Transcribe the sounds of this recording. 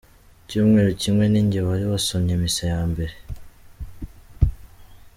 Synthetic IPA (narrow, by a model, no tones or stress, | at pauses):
cuːmŋeːɾucimŋe̞niɲɟeβajo̞ːsoɲamisojaːmbe̞ɾe̞